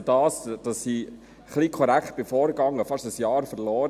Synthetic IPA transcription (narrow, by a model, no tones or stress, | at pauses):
dɑːsd̥ɑsːi | χliːkʰɔɾækχt̚b̥efɔːɾɡɑŋːəfɑʃəsjɑːɾfəɾlɔːɾ